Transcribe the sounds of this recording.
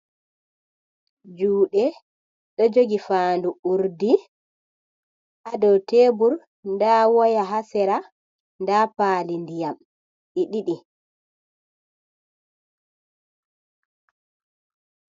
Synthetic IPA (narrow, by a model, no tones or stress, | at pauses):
d͡ʒuːɗɛ | ɗɔd͡ʒoɡifaːnduuɾdi | ʔadɔwteːbuɾ | ndawɔjaɦasɛɾa | ndapaːlindijam | ʔiɗiɗi